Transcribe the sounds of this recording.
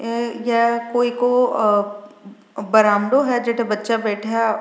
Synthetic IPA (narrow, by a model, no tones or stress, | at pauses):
jɛkoːiko | bɐɾãːmɖoɦɛd͡ʒeːʈʰebɐtːʃabɛːʈʰaaɛ